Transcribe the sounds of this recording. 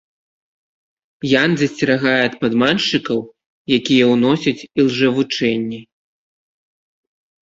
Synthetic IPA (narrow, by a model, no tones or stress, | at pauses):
janzʲɐsʲt͡sʲɛɾaɣajɛɐt̪̚pad̪manʂɨkɐw | jakʲijɐwnɔsʲɐt͡sʲilˠʐɛvut͡ʂɛnʲːɛ